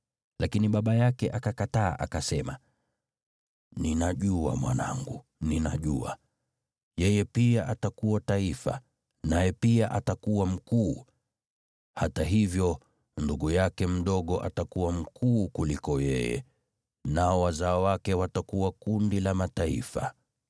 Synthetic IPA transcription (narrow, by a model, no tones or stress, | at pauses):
lʔakiniɓaɓajakɛʔakakata̰ːʔa̰kasɛma | ninaʄua̰mwa̰na̰ŋɡu | nina̰ʄua̰ | jɛjɛpiaʔatakuwataifa̰ | najɛpiaʔatakuwam̩kuː | hataɦivjɔ | nduɠujakɛm̩ɗɔɠɔʔa̰takuwam̩kʰuːkulikɔjɛ̰jɛ̰ | naɔwazaɔwakɛwatakuwakundilamataḭfa̰